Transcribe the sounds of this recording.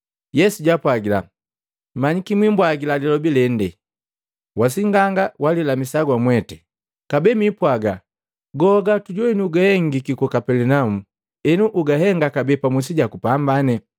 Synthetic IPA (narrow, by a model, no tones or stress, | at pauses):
jɛsuɟapwaɡila̰ | m̩maɲikimwimbwaɡilalilɔbilɛndɛ | was̬iŋɡaŋɡawalilamisaɡwamwɛtɛ̥ | kabɛmipwaɡa | ɡɔɡatuɟɔɛniuɡahɛŋɡikikɔkapɛlɛnaumu | ɛnuʔuɡaɦɛŋɡakabɛpamusiɟakupambanɛ